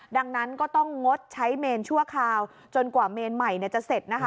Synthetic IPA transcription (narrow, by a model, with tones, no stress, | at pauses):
da˧ŋna˦˥nkɔː˥˩t̪ɔ˥˩ŋːo˦˥t̪̚t͡ɕʰa˦˥jmeː˧nt͡ɕʰu˥˩əkʰaː˧w | t͡ɕo˧nkwaː˨˩meː˧nma˨˩jni˥˩t͡ɕa˨˩ʔse˨˩t̪̚na˦˥kʰa˦